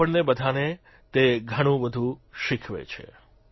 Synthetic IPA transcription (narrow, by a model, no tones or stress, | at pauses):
əɳnebəd̪ʱane | t̪eɡʱəɽ̃ũʋəd̪ʱũʃɪkʰʋḛt͡ʃʰḛ